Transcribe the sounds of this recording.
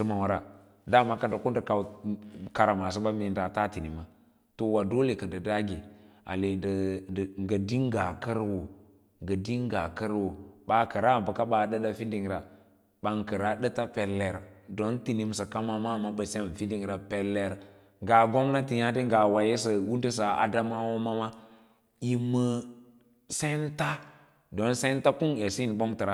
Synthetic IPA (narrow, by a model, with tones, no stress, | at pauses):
sə˦ma˨wa˨ɾa˦ | da˦˨ma˨ka˦ndə˨ku˦ndə˨ka˨wka˨ɾa˨ma˨s̬i˦ɓa˦mi˨nda˨ta˦ti˨ni˨ma˨ | to˨wa˨do˦le˨kə˨ndə˨da˦ɡi˨a̰˨le˨də˨ŋɡə˨di˦ŋ˦ɡa˨kə˦ɾwo˨ | ŋɡə˨di˦ŋ˦ɡa˨kə˦ɾwo˨ɓa˨kə˨ɾa˦˨bə˨ka˦ɓa˨də˦ɗa˦fi˦ndi˨ŋɾa˨ | ɓa˨ŋkə˨ɾa˦də˦ta˦pe˨lːe˨ɾdo˦nti˨ni˨msə˨ka˦ma˦ma˦˨ma˦bə˨se˦˨n˨fi˦ndi˦˨ŋɾa˨pe˦lːe˦ɾ | ŋɡa˨ɡo˦mna˦ti˨ja˦di˦ŋɡa˨wa˨je˦s̬ə˨wu˦ndi˦s̬a˨ʔa̰˨da˦ma˦wo˦ma˦ma˦ | ji˨mːə˨ | se˦nta˦ | do˦nse˦n˦ta˦ku˦ŋe˨si˦n˨bo˦ŋtə˨ɾa˦